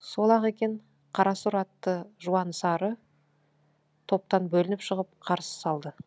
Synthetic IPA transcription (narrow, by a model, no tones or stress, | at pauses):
solˠɑʁekʲe̞ɴ | qʰɑɾɑsʊɾɑt̪ːəʒuɑnsɑɾə | t̪ʰo̞p̚t̪ɑnbɵlɪnɪpʃəʁəp̚qʰɑɾsə̥sɑlˠd̪ə